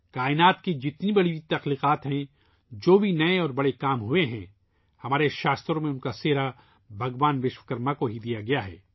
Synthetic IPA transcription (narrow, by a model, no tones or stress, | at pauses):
kaːɪnaːt̪ked͡ʒɪt̪nibɐɽit̪ɐxliːqaːt̪ɦɛ̃ | d͡ʒoːbʱinɐẽɔːɾbɐɽekaːmɦueɦɛ̰̃ | hɐmaːɾeʃaːst̪ɾõmẽʊ̃nkaseːɾa | bʱɐɡʋaːnʋɪʃwəkɐɾmakoɦid̪ijaɡɐjaɦɛ̰ː